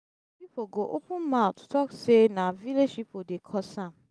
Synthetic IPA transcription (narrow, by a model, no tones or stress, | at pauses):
pipʰoɡoʔopʰũnmãtʰu̥tʰɔksenãvileʃipodekʰɔsãm